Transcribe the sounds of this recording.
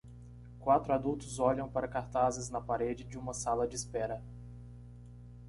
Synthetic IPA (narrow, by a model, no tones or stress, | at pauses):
kwat̪ɾʊad̪uwt̪ʊzɔʎɐ̃w̃paɾɐkaɾt̪azɪznɐpaɾed͡ʒɪd͡ʒɪũmɐsalɐd͡ʒɪɪspɛɾɐ